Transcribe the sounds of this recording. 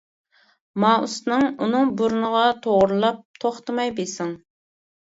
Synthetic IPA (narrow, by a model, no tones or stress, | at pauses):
mɑṵsnɨŋunɨŋbuɾnəʁɑt̪ʰoʁɾɨlˠɑp̚t̪ʰoχt̪ɨmɑjbesɪŋ